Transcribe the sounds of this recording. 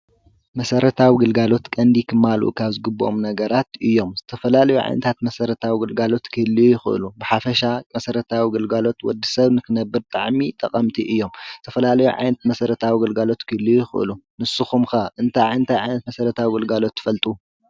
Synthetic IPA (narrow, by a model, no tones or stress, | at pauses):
mɐsɐɾɐt̪ʰawiɡɨlɡalo̞t̪kʼɐnd̪ikʰɨmːalʔṵkʰaβzɨɡɨbːuʔomnɐɡɐɾat̪ɨjːo̞mzɨt̪ʰɐfɐlalɐjuʕa̰jnɐt̪ʰat̪mɐsɐɾɐt̪ʰawiɡɨlɡalo̞t̪kʰɨɨlːujɪxɨ̰ʔɨ̰lubɨħafɐʃamɐsɐɾɐt̪ʰawiɡɨlɡalo̞t̪wɔ̰d̪ːisɐβnɨkʰɨnɐbːɨɾt̪ʼaʕmit̪ʼɐ̰qʼɐmt̪ʰiʔɨjːo̞mzɨt̪ʰɐfɐlalɐjuʕa̰jnɐt̪mɐsɐɾɐt̪ʰawiɡɨlɡalo̞t̪kʰɨɨlːujɪxɨ̰ʔɨ̰lunɨsɨxumxɐʔɨnt̪ʰajʕajnt̪ʰajʕajnɐt̪mɐsɐɾɐt̪ʰawiɡɨlɡalo̞t̪ːɨ̥fɐlt̪ʼu